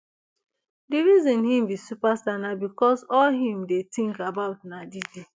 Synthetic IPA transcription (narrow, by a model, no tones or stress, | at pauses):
diɹizĩnhĩmbisupastanabikɔsɔlɦĩmdetĩŋkabaʊtnadidi